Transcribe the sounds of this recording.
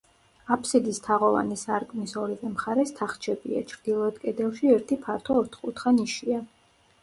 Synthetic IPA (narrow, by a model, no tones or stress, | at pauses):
apʰsid̪ist̪ʰaʁɔva̰nisaɾkʼnisɔɾivɛmχaɾɛst̪ʰaχt͡ʃʰɛbḭa̰t͡ʃʰɾd̪ilˠɔɛt̪kʼɛd̪ɛlˠʃiɛɾt̪ʰipʰaɾt̪ʰɔːɾt̪ʰχkʼut̪χaniʃia